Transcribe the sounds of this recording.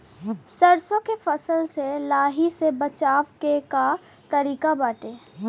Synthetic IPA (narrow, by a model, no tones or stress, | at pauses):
sɐɾsõkefɐsəlselaːɦisebɐt͡ʃaːʋkeka | t̪ɐɾiːkabaːʈeː